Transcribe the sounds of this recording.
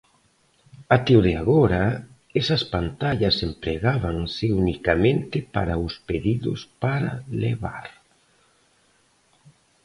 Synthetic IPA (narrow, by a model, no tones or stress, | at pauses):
at̪eoðeaɣoɾɐ | ɛsɐspant̪aʎɐsempɾeɣaβaŋsɪunikamẽnt̪ɪpa̰ɾaʊspeðiðʊ̰spaɾɐlḛβa̰ɾ